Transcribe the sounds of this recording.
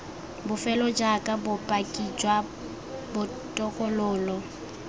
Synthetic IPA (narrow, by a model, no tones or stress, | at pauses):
bʊfɛlɔd͡ʒakʼabʊpʼakʼid͡ʒwa | bʊ | tʼɔkʼɔlʊːlɔ